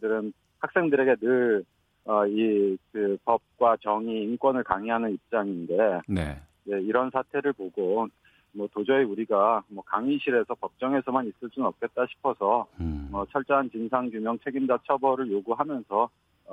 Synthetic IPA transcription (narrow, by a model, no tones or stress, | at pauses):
dɯɾɯn | hak̚s͈e̞ŋdɯɾe̞ɡe̞nɯɭ | ʌikɯpʌp̚k͈wat͡ɕʌŋiːnkwʌnɯɭkaŋiɦanɯnip̚t͡ɕ͈aŋinde̞nḛ | je̞iɾʌnsʰatʰe̞ɾɯɭpoɡo | mʌtod͡ʑʌiuɾiɡamwʌkaŋiɕʰiɾe̞sʰʌpʌp̚t͡ɕ͈ʌŋe̞sʰʌmanis͈ɯɭs͈unɯnʌp̚k͈e̞t̚t͈aɕʰi̥pʰʌsʰʌmʌt͡ɕʰʌɭt͡ɕ͈ʌɦant͡ɕinsʰaŋɡumjʌŋt͡ɕʰe̞ɡind͡ʑat͡ɕʰʌbʌɾɯɭjoɡuɦamjʌnsʰʌ